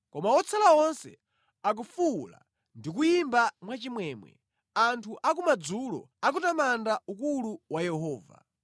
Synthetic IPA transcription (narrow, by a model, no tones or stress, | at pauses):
kɔmaɔt͡sʰalaɔnsɛ̰ | ak̬ufula̰ | ndik̬ujimbamwat͡ʃimwɛːmwɛ̰ | antʰuʔak̬umad͡zulɔ̰ | ak̬utamandaukuluwajɛɦɔːva̰